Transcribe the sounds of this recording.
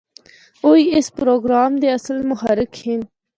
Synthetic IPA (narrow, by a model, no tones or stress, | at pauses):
ojespɾoɡɾɑːmd̪eɐsəlmʊhaɾɪkhin